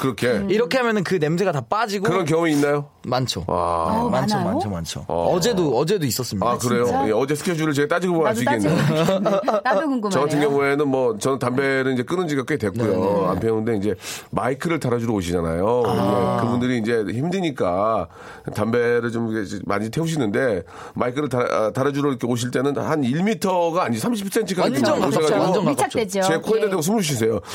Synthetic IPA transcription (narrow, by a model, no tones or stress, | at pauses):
kɯɾʌkʰe̞iɾʌkʰe̞ɦamjʌnɯnkɯne̞msʰeɡatap͈ad͡ʑiɡoɯɾʌnk̬jʌŋumiːnːajo | mant͡ɕʰoa̰mant͡ɕʰomat͡ɕʰomant͡ɕʰo̰ʌd͡ʑe̞doʌd͡ʑe̞dois͈ʌs͈ɯmiaakɯɾe̞jojeʌd͡ʑesʰɯ̥kʰeʌd͡ʑuɾɯɭt͡ɕeɡat͈ad͡ʑiɡboaɕʰiɡɡenːe | t͡ɕʌɡatʰɯnɡjʌŋue̞nɯnmwʌt͡ɕʌnɯntambe̞ɾɯɭind͡ʑe̞k͈ɯnɯnd͡ʑiɡak͈ʰɯɡetwe̞kkujoa̰mpʰjeɯnde̞ind͡ʑe̞maikʰɯɾɯɭtaɾad͡ʑuɾooɕʰid͡ʑana̰joekɯbundɯɾiːnd͡ʑe̞çimdɯɲik͈a | tambe̞ɾɯɭt͡ɕomema̰ɲitʰeuɕ̬ʰinːɯnde̞ | maikʰɯɾɯɭtaʌ̰taɾad͡ʑuɾoikʰeoɕ̬ʰiɭt͈e̞nɯnhaniɭmitʰʌɡaːɲid͡ʑsʰamɕʰip̚ʰsʰe̞ntʰɯkʰakioeɡad͡ʑd͡ʑiɡot͡ɕʰaked͡ʑt͡ɕekʰoededeɡos̬ʰumud͡ʑuɕ̬ʰis̬ʰe̞jo